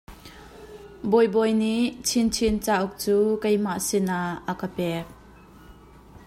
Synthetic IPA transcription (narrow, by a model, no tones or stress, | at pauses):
bɔjbɔjniʔt͡sʰint͡sʰint͡saːʔuk̚t͡suːkejmaʔsɪnaəkəpɛk̚